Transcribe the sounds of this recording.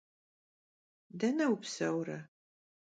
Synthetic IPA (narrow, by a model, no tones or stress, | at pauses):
dɐnɐwpsɐwɾɐ